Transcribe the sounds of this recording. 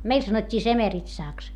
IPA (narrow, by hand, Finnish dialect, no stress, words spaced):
meil sɑnotʲːiː semeritsɑˑks